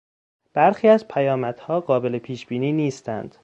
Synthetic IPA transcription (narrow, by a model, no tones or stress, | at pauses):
b̥æɾxiːæzpʰæjɒːmæd̪̥hɒːɢɒːbe̞le̞pʰiːʃb̥iːniːniːst̪ʰæ̰nd̪̥